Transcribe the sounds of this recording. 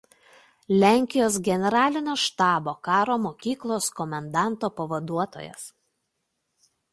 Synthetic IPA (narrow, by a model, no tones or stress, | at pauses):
lʲæːˑŋʲkʲɪjoːsɡʲɛnʲɛɾɑːlʲɪnʲoːʃt̪ɑːboːkɑːɾoːmoːkʲiːklˠoːskɔmʲɐnd̪ɑˑnˑt̪oːpɐʋɐd̪uɔt̪o̰ːjɛ̰s